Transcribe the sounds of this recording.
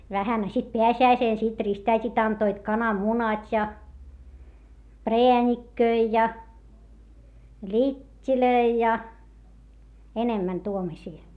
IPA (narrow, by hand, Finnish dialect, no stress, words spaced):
ʋæhæn ɑ sit peæsiæiseˑn sit ristæitʲit ɑntoit kɑnɑmːunɑtʲ jɑ preænʲikːøi jɑ lʲitʲːiløi jɑ enemːæn tuomosʲiː